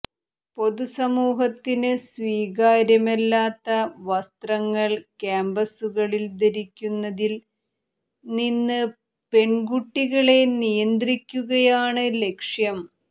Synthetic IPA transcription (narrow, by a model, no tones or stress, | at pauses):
po̞ðusɐmuːɦɐt̪ːinɨsʋiːɣaːɾjɐmɐlːaːt̪ːɐʋɐst̪rɐŋːɐɭkaːmbɐsuɣɐɭild̪ɐɾikʲːunːɐðil | ninːɨ | pe̞ɳɡuʈːiɣɐɭe̞nijɐnd̪rikʲːuɣɐjaːɳɨle̞kʂjɐm